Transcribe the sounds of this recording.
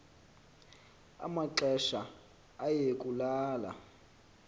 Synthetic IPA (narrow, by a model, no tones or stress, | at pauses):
a̰maǃɛʃa | ajekʼulaːla̰